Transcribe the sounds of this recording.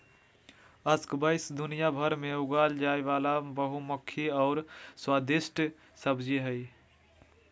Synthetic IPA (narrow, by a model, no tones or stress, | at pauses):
əskbəɪsd̪ʊnijabʱəɾmẽʊɡaːld͡ʒaːeʋaːlabəɦumʊkʰːiɔːɾswaːd̪ɪsʈ | səbd͡ʒiɦɛ